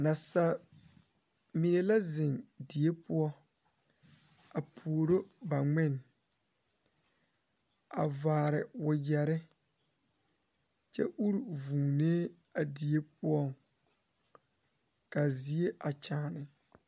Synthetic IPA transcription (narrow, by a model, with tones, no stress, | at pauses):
na˨sa˦ | mi˨ne˨la˦zɪ˨ŋdi˨e˦pʊ˦ɔ˦ | a˨pʰu˨o˨ɾo˦ba˨ŋɪ˦˨n | a̰˨vaː˨ɾɪ˨wʊ˨jɛ˨ɾɪ˦ | t͡ʃɛ̰˦ʔu˦ɾu˨vũː˨neː˦ | a˨di˨e˦pʊ˦ɔ˦˨ŋ | ka˨zi˨˦e˦ʔa˨t͡ʃaː˨˦˨nɪ˨